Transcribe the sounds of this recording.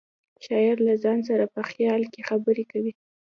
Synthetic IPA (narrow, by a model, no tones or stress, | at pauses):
ʃɑjɪɾlazɑns̬aɾapəxjɑlkexabəɾekawi